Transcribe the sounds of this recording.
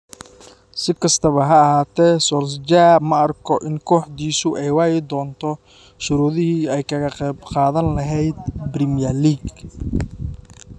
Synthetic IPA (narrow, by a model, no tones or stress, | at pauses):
sɪkʰɐst̪ʰɐβɐɦɐɐɦaːt̪ʰɛːsɔls̬d͡ʒaːmɐɐrkʰɔʔɪŋkʰɔːħd̪iːsʊʔɛjwɑːjɪd̪ɔːnt̪ʰɔ | ʃʊɾuːðɪhiːɛjkʰɐɣɐqɛjbqɑːðɐnlɐɦɛjd̪brɪmɪjɐliːɡ